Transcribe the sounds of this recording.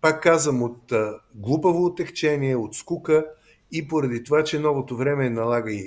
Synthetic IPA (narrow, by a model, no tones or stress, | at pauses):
pakːazvəmot̪ɡlˠupəvoːt̪ɛxt͡ʃɛniɛot̪skukə | ipoɾɐd̪it̪ovat͡ʃɛnɔvot̪ovɾɛmɛnɐlˠaɡəi